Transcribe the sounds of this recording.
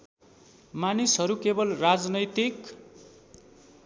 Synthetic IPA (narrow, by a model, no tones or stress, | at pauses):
manisɦʌɾukebʌlrad͡znʌjt̪ik